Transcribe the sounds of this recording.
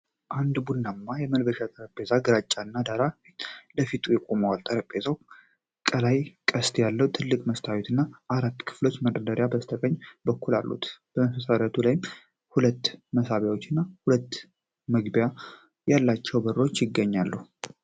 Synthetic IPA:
ʔand̪bunːamːajɛməlbəʃat̪ʼəɾəpʼːe̞zaɡɨɾat͡ʃʼːaɨnːad̪aɾafit̪ləfit̪ʰʼujɛkʼoməwalt̪ʼəɾəpʼːezaw | kʼəlajkʼəst̪jalːəwut̪ʰɨlːɨkʼməst̪ʰawit̪ʰɨnːaʔaɾat̪ːkʰɨ̥flo̞t͡ʃːmədəd̪əɾjabəst̪ʰəkʼəɲːbəkːulalːṵt̪b̥əməfəsaɾat̪ʰulajm | hulət̪ːməsaβjawot͡ʃːɨnːahulət̪ː | məɡbja | jalːat͡ʃːɛwbərot͡ʃːjɪɡːəɲːalːəhu

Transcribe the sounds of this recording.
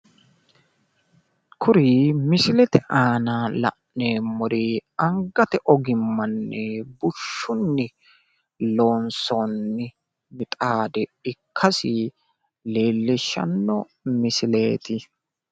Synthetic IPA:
kʰʊɾimɪsɪlɛt̪ɛʔaːnalɐ̰ʔneːmɔɾiɐŋɡɐt̪ɛʔɔɡɪmːɐnːɛbʊʃːʊnːɪ | loːnsonːɪ | mɪt̪ʼaːd̪ɛɪkʰːɐsɪ | le̞ːlːɛʃːɐ̰nːɔ | mɪsɪle̞ːt̪ɪ

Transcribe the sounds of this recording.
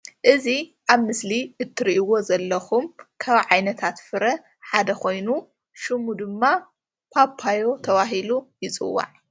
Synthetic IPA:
ʔɨziʔaβmɨsliʔɨt̪ʰːɨɾiʔiwo̞zɐlːɐxumkʰaβʕajnɐt̪ʰat̪fɨɾɐ | ħad̪ɐkʰo̞jnu | ʃɨmud̪ɨmːa | pʰapʰːajo̞t̪ʰɐβaɦilujɪt͡sʼɨ̰wːa̰ʕ

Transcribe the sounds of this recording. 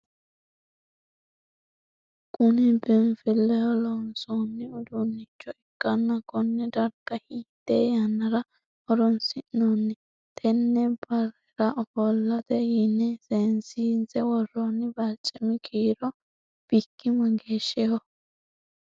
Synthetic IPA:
kʊnɪbɪmfɪlːɛjɔlɔnsonːɪʊd̪unːɪt͡ʃːɔɪkːɐnːɐkɔnːɛd̪ɐɾɡɐhiːt̪ːeːjɐnːɐɾɐ | ʔɔɾɔnsɪʔnonːɪ | t̪ʰʼɛnːɛbɐrɛɾɐʔɔfɔlːɐt̪ɛjɪnːɛseːnsiːnt͡sɛwɔrɔnːɪbɐlt͡ʃʼːɛmɪkʰiːɾɔ | b̥ikːɪmɐɡeːʃːɛjɔ

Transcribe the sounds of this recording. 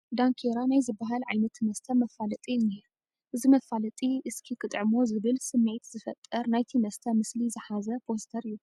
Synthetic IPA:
d̪aŋkʰeɾanajzɨbːaɦalʕa̰jnɐt̪ʰmɐst̪ʰɐmɐfalɐt̪ʼine̞ɾu | ʔɨzimɐfalɐt̪ʼiʔɨskʰikʰʼɨt̪ʼʕɨmozɨβɨlsɨmːet̪zɨfɐ̰t̪ʼːɐɾnajt̪ʰimɐst̪ʰɐmɨslizɨħazɐpʰo̞st̪ʰɐɾɨjːu

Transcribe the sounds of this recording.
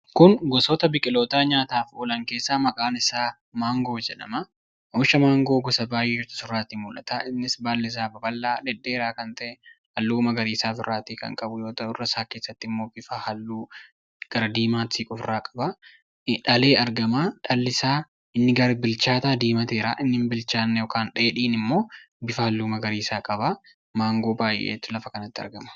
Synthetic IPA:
kʊnɡɔsɔt̪ɐbɪkʼɪloːt̪aːɲaːt̪aːfoːlɐŋke̞ːsːaːmɐkʼaːnɪsaː | maːŋɡo̞ːd͡ʒɛᶑɐ̰mɐ | ʊʃɐmaːŋɡoːɡɔsɐbaːjeːɪɾt̪ɐ̥sʊɾaːt̪iːmʊlʔɐ̰t̪aɪnːɪsbaːlːɛɪs̬aːbɐbɐlːaːᶑɛd̪ːeːɾaːkɐnt̪ɐʔɛhɐlːuːmɐɡɐɾiːsaːsʊrːaːt̪iːkɐ̰ŋkʼɐbʊjo̞ːt̪ɐʔʊrːɐsaːke̞ːsːɐt̪ːɪmːoːbɪfaːhɐlːuː | ɡ̥ɐɾɐd̪iːmaːt̪iːkʼʊfraːkʼɐ̥baː | ᶑɐle̞ːɐɾɡɐmaːᶑɐlːɪsaː | ɪnːɪɡɐɾɐbɪlt͡ʃaːt̪aːd̪iːmɐt̪eːɾa̰ːʔɪnːɪmbɪlt͡ʃaːnːɛjɔkaːnᶑeːᶑiːnɪmːo̞ː | bɪfɐhɐlːuːmɐɡɐɾiːsaːkʼɐba | maːŋɡo̞ːbaːjʔḛːt̪ːʊlɐfɐkɐnɐt̪ːɪɐ̰ɾɡɐmɐ̥

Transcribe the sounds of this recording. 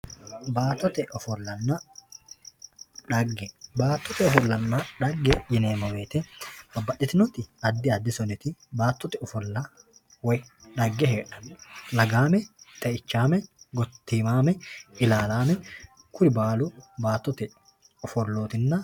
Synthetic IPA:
baːt̪ːɔt̪ɛʔɔfɔlːɐnːɐ | ᶑɐɡːɛbaːt̪ːɔt̪ɛɔfɔlːɐnːɐᶑɐɡːɛjɪneːmɐmeːt̪ɛbɐbːɐʔɪt̪ɪnɔt̪ɪɐd̪ːɪɐd̪ːɪsɔnɪt̪ɪbaːt̪ːɔt̪ɛɔfɔlːɐ | wɛᶑɐɡːɛɦeːᶑɐnlɐɡaːmɛt̪ʼɐɪt͡ʃːaːmɛɡɔt̪ːiːmaːmɛɪlaːlaːmɛ | kʊɾɪbaːlʊbaːt̪ːɔt̪ɛ | ɔfɔlːoːt̪ɪnːɐ

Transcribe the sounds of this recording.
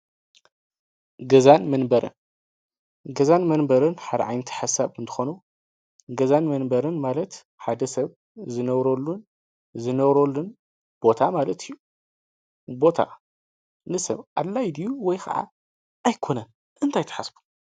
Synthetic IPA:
ɡɐzanmɐnbɐɾɨ̰n | ɡɐzanmɐnbɐɾɨnħad̪ɐʕa̰jnɨt̪ʰi̥ħasːaβɨnt̪ʰɨ̥xonu | ɡɐzanmɐnbɐɾɨnmalɐt̪ | ħad̪ɐsɐβ | zɨnɐβɾolːun | zɨnɐβɾolːun | b̥o̞t̪ʰamalɐt̪ʰijːu | bo̞t̪ʰa̰ | nɨsɐβʔalːajd̪ijuwɔjkʰɐ̰ʕa̰ | ʔajkʰo̞nɐn | ʔɨnt̪ʰajt̪ʰɐ̥ħasbu̥

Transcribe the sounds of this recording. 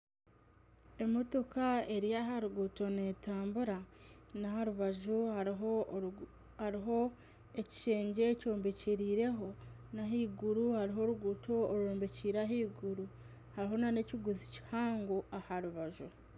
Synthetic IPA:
e̞moto̞kae̞ɾijaɦaɾuɡuto̞ne̞ːtaːmbuɾanahaɾuβaʒuhaɦo | haɾiɦo̞ | eci̥ʃe̞ːɲɟe̞ːco̞ːmbeciɾiːɾe̞ɦo̞naɦiːɡuɾuhaɾiɦo̞ɾuɡuto̞ːɾuoːmbeciːɾaɦiːɡuɾu | haɾiɦo̞nane̞ciɡuzici̥haːŋɡoahaɾuβaʒu

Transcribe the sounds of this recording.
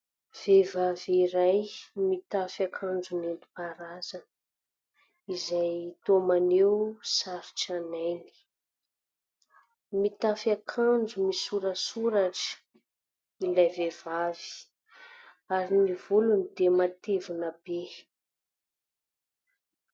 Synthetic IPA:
v̥evaviɾajmit̪afakʰand͡ʒunent̪u̥paɾazən | izajt̪omanewsaɾuʈ͡ʂanajni̥ | mit̪afakʰand͡ʒumisuɾəsuɾaʈ͡ʂə̥ | ilajvevavi̥ | aɾinivulunid̪emat̪evunəbe

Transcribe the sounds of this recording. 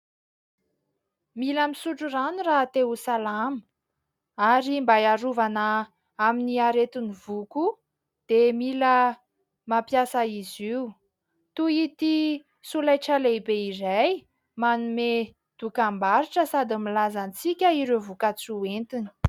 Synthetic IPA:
miləmisuʈ͡ʂuranurat̪eusalamə | aɾimbajaɾuvanə | aminiaɾet̪iniv̥uku | d̪̥emilə | mapjasaiziu | t̪uit̪i | sulajʈ͡ʂalebeizaj | manume | d̪̥ukambaɾiʈ͡ʂəsad̪imilazant͡sikʲəiɾevukat͡suent̪ini̥

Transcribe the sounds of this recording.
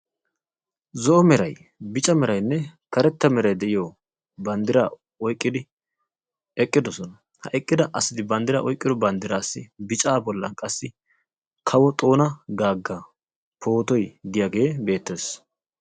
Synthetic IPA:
zɔʔɔmɛɾɐj | bɪt͡ʃʼɐmɛɾɐjnːɛkɐɾɛt̪ːɐmɛɾɐjd̪ɛʔɪjo | bɐnd̪ɪɾa̰ | ɔjkʼːɪd̪ɪ | ɛkʼːɪd̪ɔsɔnɐ | hɐ̰ʔɛkʼːɪd̪ɐʔɐsɪd̪ɪbɐnd̪ɪɾa̰ːʔɔjkʼːɪd̪ɔbɐnd̪ɪɾaːsːɪbɪt͡ʃʼaːbɔlːɐ̰nkʼɐsːɪ | kʰɐwɔt̪ʼo̞ːnɐɡaːɡːɐ | pʰo̞ːt̪ɔjɡɪjaɡe̞ːbe̞ːt̪ːe̞ːs

